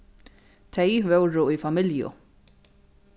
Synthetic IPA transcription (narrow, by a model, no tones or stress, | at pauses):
t̪ʰɛjvœwɾʊʊjfamɪljʊ̰